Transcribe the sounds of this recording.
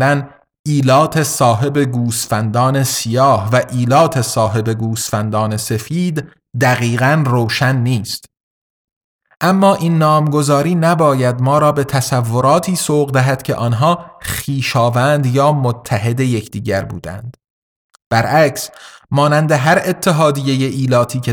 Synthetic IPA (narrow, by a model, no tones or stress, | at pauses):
læn | iːlɒːt̪ʰesɒːɦe̞be̞ɡuːst̪fænd̪ɒːne̞sijɒːhvæʔiːlɒːt̪ʰe̞sɒːɦe̞be̞ɡuːsfænd̪ɒːne̞se̞fiːd̪ː | æɣiːɣænroːʃænːiːst̪ | ʔæmːɒːʔiːnːɒːmɡo̞zɒːɾiːnæbɒːjæd̪mɒːɾɒːbe̞t̪ʰæsævːo̞ɾɒːt̪ʰiːsoːʁd̪æɦæd̪̥cʰe̞̰ʔɒːnɦɒːχiːʃɒːvænd̪jɒːmot̪ʰːæɦe̞d̪eje̞cʰd̪iːɟæɾbṵːd̪æ̰nd̪̥ | b̥æɾʔæcsmɒːnænd̪e̞ɦæɾe̞t̪ʰːeɦɒːd̪ijeje̞ʔiːlɒːt̪ʰiːcʰe